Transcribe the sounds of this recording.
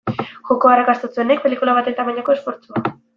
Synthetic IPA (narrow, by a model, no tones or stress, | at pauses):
ʝo̞ko̞arakast̪ot͡sue̞nek̚pe̞likulaβat̪et̪amaɲako̞e̞sfo̞ɾt͡sua